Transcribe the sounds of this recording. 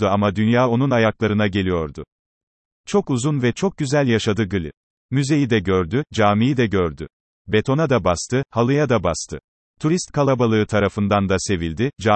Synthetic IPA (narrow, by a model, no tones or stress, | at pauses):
uamad̪ynjaːo̞nunajaklˠaɾɯnaɟe̞lʲijo̞ɾd̪ʊ | t͡ʃʰo̞kuzunvɛt͡ʃʰo̞k̚ɟyzælʲjaʃad̪ɯɡɯlʲḭ | myze̞jid̪ɛɟøɾd̪yd͡ʒaːmijid̪ɛɟøɾd̪y | be̞t̪ʰo̞nad̪abast̪ʰɯhalˠɯjad̪abast̪ʰɯ | t̪ʰuɾist̪kʰalˠabalˠɯɯt̪ʰaɾafɯnd̪and̪ase̞vilʲd̪ɪd͡ʒa